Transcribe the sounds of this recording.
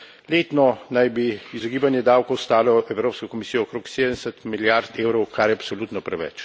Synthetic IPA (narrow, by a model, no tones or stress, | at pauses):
leːt̪nɔnajbiːzɔɡiːbanjɛd̪aːwkɔwst̪aːlɔʔɛwɾoːpskɔkɔmisiːjɔːkɾoːksed̪ənɛsət̪miljaɾt̪eːwɾɔwkʰaɾjɛapsɔluːt̪nɔpɾɛʋɛ̰t͡ʃ